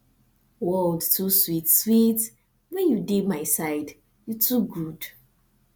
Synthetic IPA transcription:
wɔldtʰuswitswit | wɛ̃njudemaɪsaɪd | jutʰuɡud̥

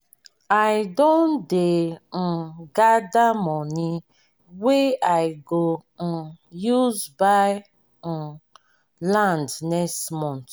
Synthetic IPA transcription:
ajdõnden̩ɡadamɔ̃ni | weajɡo | juzbaj̩ | lãndnɛstmɔ̃nt

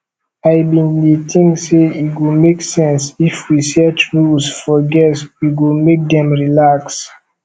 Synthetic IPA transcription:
ajbĩndetʰĩŋseiɡumeksɛ̃nsifwɹisɛt͡ʃɹusfɔɡɛswiɡumek̚dɛ̃mɹilaks

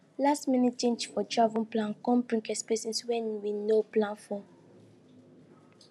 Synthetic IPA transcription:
lastminit͡ʃẽnd͡ʒfɔdɹavɔ̃nplãnkɔ̃mpɹĩŋkɛspɛsĩnswɛ̃nwinoplãnfɔ̃

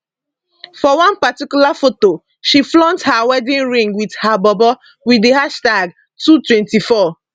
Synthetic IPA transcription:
fɔwãnpatikjulafoto | ʃiflɔ̃ndhawɛdĩnɹĩŋɡwidhabɔbɔ | widehaʃtaɡ | tutwɛ̃ntifɔ

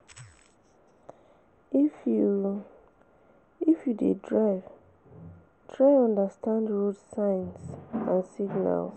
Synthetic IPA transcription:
ifju | ifjudedɹaɪv | tʰɹaɪɔ̃ndastãndɹodsãɪ̃nsãnsiɡna̰ls

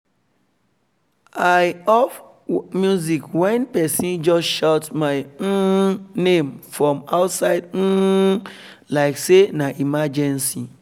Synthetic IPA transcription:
aɪɔf | mjuzikwɛ̃npɛsĩnd͡ʒɔsʃatmaɪ̃nẽmfɹɔ̃maʊtsaɪd̩ | laɪksenaʔimad͡ʒɛ̃nsi

